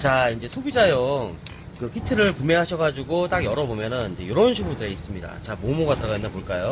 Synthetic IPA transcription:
t͡ɕaind͡ʑe̞sʰobid͡ʑajoŋ | kɯkʰitʰɯɾɯɭpumeɦaɕʰʌɡad͡ʑuɡot͈aɡjʌɾʌbomjʌnɯniɲd͡ʑejoɾʌnɕʰiɡudɯɾe̞is͈ɯmɲida̰t͡ɕamomoɡatɯɾʌɣainːapoɭk͈ajo

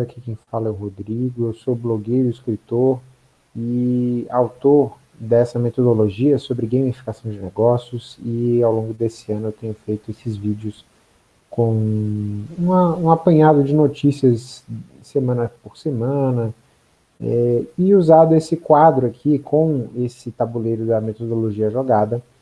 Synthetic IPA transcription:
akʰikẽj̃falɐɛʊwɦod̪ɾiɡʊewsobloɡejɾʊiskɾit̪oɾ | ɪawt̪oɾ | d̪ɛsɐmet̪od̪oloʒiɐsobɾɪɡẽjmifi̥kasɐ̃w̃d͡ʒɪneɡɔsjʊsɪawlõɡʊd̪esɪɐ̃nʊewt̪ẽɲʊfejt̪ʊesɪzvid͡ʒʊs | kõw̃ | ũmɐũapɐ̃ɲad̪ʊd͡ʒɪnot͡ʃisiɐsː | emɐ̃nɐpoɾsemɐ̃nɐ | ɛɪuzad̪ʊesɪkwad̪ɾʊakʰikʰõw̃esɪt̪abulejɾʊd̪ɐmet̪od̪oloʒiɐʒoɡad̪ɐ

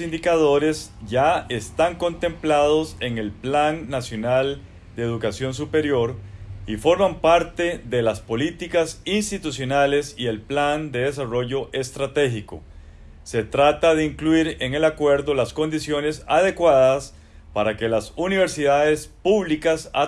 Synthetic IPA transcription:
ind̪ikaðo̞ɾe̞sʝae̞st̪aŋko̞nt̪e̞mplaðo̞se̞ŋe̞lplanːasjo̞nal | d̪e̞ːðukasjo̞ns̬upe̞ɾjo̞ɾifo̞ɾmampaɾt̪e̞ðe̞laspo̞lit̪ikasinst̪it̪usjo̞nale̞sie̞lpland̪e̞ðe̞s̬aro̞ʝo̞ʔe̞st̪ɾat̪e̞xiko̞̰ | se̞t̪ɾat̪aðeiŋkluiɾe̞ŋe̞lakwe̞ɾðo̞lasko̞nd̪isjo̞ne̞sað̞e̞kwaðas | paɾake̞lasuniβ̞e̞ɾsiðaðe̞spuβlikasa

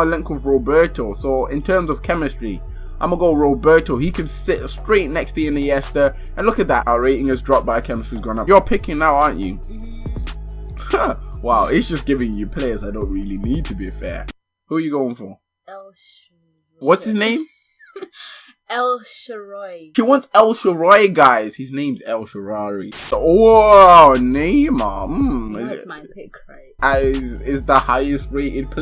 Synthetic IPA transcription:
aɪlɛ̃ŋkəvɹoʊbɜ˞tʰəsoʊɪ̃ntʰɜ̃ːmzʌv̥kʰɛmɨstɹ̥i | ʔã̰ɪ̃məɡoʊlɹoʊbɜ˞təhikʰɨ̃nsɪtstɹ̥eɪʔⁿnɛkstʰɨɨ̃nɨjɛstə˞ | ɨ̃nlʊkɨt̪̚ðətaɹeɪʔɪ̃ŋɨzdɹɑp̚b̥aɪðəkʰɛmɨstɹ̥izɡɹɔ̃nʌjəpʰɪkɪ̃ŋnaʊɑɹnt͡ʃɨ̰ | waʊiz̥d͡ʒ̥ʌsɡ̥ɪvɪ̃ŋjɨpʰl̥eɪə˞zaɪdõʊ̃nʔ̚ɹɪlˠinid̚tʰɨbifɛ̰ɹ | huəjɨɡoʊɪ̃ŋfə | ɛlˠ | wʌtshɨznẽɪ̃m | ɛlˠʃɹɔɪʃiwɑ̃ntsɛlˠʃəɹɔɪɡaɪz̥hɪznẽɪ̃mzɛlˠʃəɹɑɹi | nẽɪ̃mɑm̩ɪ | aɪsɪtsðəhaɪɨst̚ɹeɪʔɪd̚pʰ

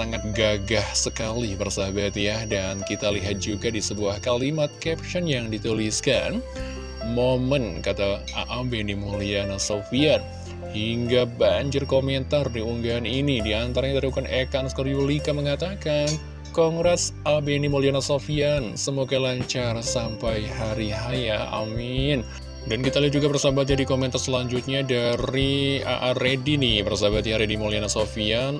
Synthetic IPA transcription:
saŋat̪̚ɡaɡahsəkalibərsabat̪jadankit̪aliɦat̪̚d͡ʒuɡadisəbuahkalimat̪̚kɛp̚t͡ʃɔnjaŋdit̪uliska̰n | momənkat̪a | aʔabenimolianasofiat̪̚ | hiŋɡabaɲd͡ʒɪrkomɛnt̪ardiuŋɡaːninidiant̪aɾaɲat̪aɾiukanʔekanskərjulikaməŋat̪akan | kɔŋɡɾɛsabenimolianasofiansəmoɡalaɲt͡ʃaɾasampajɦaɾiɦajaʔa̰mɪn | dankit̪alaud͡ʒuɡapərsabat̪̚d͡ʒadikomɛnt̪arsəlaɲd͡ʒut̪̚ɲadaɾia̰ʔaɾedinipərsabat̪ɲaɾedimolianasofian

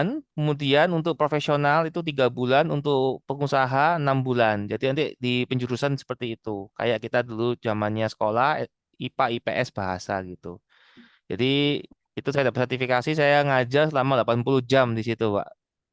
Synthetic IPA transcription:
nkəmudianunt̪ʊk̚pɾofesionalit̪ut̪̬iɡabulanunt̪ʊk̚pəŋusaɦaənambuland͡ʒadinant̪idipəɲd͡ʒuɾusansə̥pərt̪iːt̪uka̰jaʔkit̪adulud͡ʒamanɲasə̥kolah | ipaipḛʔɛsb̥aɦa̰sa̰ɡit̪ṵ | d͡ʒa̰di | it̪usajadapəsərt̪ifikasis̬ajaŋad͡ʒasəlamalapanpuluhd͡ʒamdisit̪uba̰ʔ

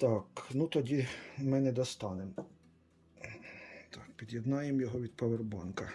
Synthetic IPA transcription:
t̪ɑknut̪ɔdʲimɪnɛd̪ɔst̪ɑnem | t̪ɑkpʲid̪jɛd̪nɑjemjɔɦɔʋʲid̪pɐʋerbɑnkɐ

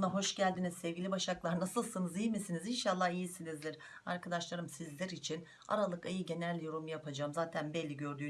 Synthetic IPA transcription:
naɦo̞ʃɟælʲd̪inizsɛvɟʲilʲibaʃaklˠaɾnasɯlˠsɯnɯzijmisinizinʃalˠːahijisilʲizlʲiɾ̥ | a̰ɾkʰad̪aʃlˠaɾɯmsizlʲæɾit͡ʃʰin | a̰ɾalˠɯkajɯɟe̞nælʲːjo̞ɾumjapʰad͡ʒaːmzaːt̪ʰænbɛlʲːiɟø̞ɾd̪yː

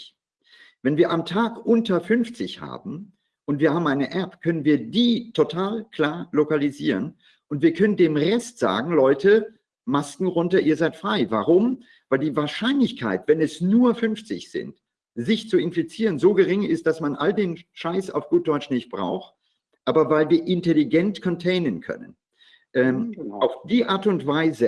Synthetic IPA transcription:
vɛnviːɐʔamtʰaːkʔʊntɐfʏnft͡sɪçha̰ːbm̩ | ʔʊntv̥iːɐhaːbm̩aɪnəʔɛpkʰœnənviːɐdiːtʰotʰaːlkʰl̥aːɐlokaliziːʁən | ʔʊntv̥iːɐkʰœnəndeːmʁɛstz̥a̰ːɡŋ̩lɔʏtə | maskŋ̩ʁʊntɐʔiːɐzaɪtfʁ̥aɪvaʁʊm | v̥aɪldiːvaːɐʃaɪnlɪçkʰa̰ɪtv̥ɛnɛsnuːɐfʏnft͡sɪ̰çz̥ɪ̰nt | zɪçt͡suɪnfit͡siːʁ̞ənzoːɡəʁɪŋɪst̚d̥asmanʔaldeːnʃaɪsa̰ʊfɡ̥uːt̚d̥ɔʏt͡ʃnɪçt̚b̥ʁa̰ʊxt | ʔaːbɐvaɪlviːɐʔɪntɛliɡɛntkʰɔntʰeɪnənkʰœ̰nə̰n | ʔɛːmaʊfd̥iːʔaːɐtʊntv̥aɪzə

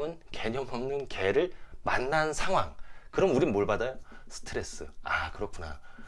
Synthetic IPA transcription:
ɯnke̞ɲʌmʌmnɯnkeɾɯɭmanːansʰaŋɦwaŋkɯɾʌmuɾimoɭbadajosʰɯ̥tʰɯɾe̞s͈ɯ̰akɯɾʌkʰuna̰

